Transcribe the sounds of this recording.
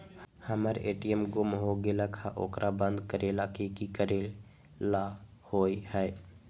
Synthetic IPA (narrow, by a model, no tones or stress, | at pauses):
hhəməɾeːʈijəmɡʊmɦoɡelakʰaʔokɾabə̃nd̪kəɾelakikikəɾe | la | hoːjhə